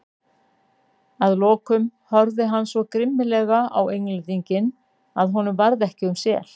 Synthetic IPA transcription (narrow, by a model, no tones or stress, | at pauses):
aðlɔːkʏmhœɾðɪɦanːsvɔkɾɪmːɪlɛɣaawejŋlɪt̪iɲcɪn | aðɦɔnʏmvaɾðɛhcɪʏmsjɛ̰ːl̥